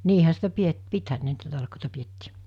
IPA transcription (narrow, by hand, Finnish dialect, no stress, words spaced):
niːhæ sitæ piet pithæn ne niːtæ tɑlkoˑitɑ pietːiː